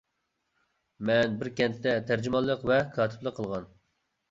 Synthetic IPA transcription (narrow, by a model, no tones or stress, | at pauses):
mɛnbɪɾkʲɛnt̪t̪ːɛt̪ʰæɾd͡ʒymɑlˠːəqvɛkʰɑːt̪ʰɪ̥plˠəqʰːəlˠʁɑn